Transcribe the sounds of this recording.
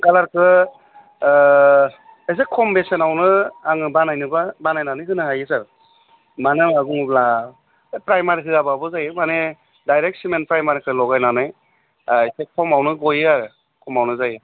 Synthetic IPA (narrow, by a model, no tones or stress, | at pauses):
ɡalaɾkʰɯ | es̬ekʰːɔmbesenawnɯaŋɯbanajnɯbabanajnanɯjɦɯnɯhajɯsaɾ | manɯaŋaɡuŋɯbla | pɾajmaɾiɦɯababɯzajɯmane | dajɾek̚t̚simenpɾajmaɾikʰɯlɔɡajnanɯj | esekʰɔmawnɯɡɔjaɾɯ | kʰɔmawnɯzajɯ